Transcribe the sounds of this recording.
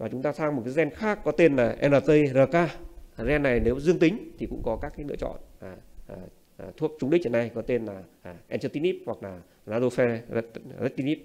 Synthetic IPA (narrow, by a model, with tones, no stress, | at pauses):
vaː˨˩t͡ɕʊ˨˦ŋ͡mt̪aː˧saː˧ŋm˨˩t̚kaː˨˦zɛ˧nxaː˦˥kːɔ˨˦t̪e˧nlaː˨˩ʔɛ̰˧naː˨˩t̚t̪ə˧jzəː˨˩kaː˧˨˩zɛ˧nːa˨˩jne˨˦wzɨ˧əŋt̪ï˨˦ŋ̟t̪ʰi˨˩kʊ̰˧˥ŋ͡mkɔ˨˦kaː˦˥kaː˨˦jlɨ̰˧ət͡ɕɔ̰˧˨na˨˩˨ | t̪ʰu˦˥ək̚t͡ɕʊ˧ŋ͡mɗi˦˥t͡ɕə˨˩na˧jkɔ˨˦t̪e˧nlaː˨˩ʔʔɛ˧nt͡ɕəː˧t̪i˨˦nʔi˦˥p̚hwk̚laː˨˩ | naː˧zo˧fɛ˧zə˦˥t̚t̪i˧ni˦˥p̚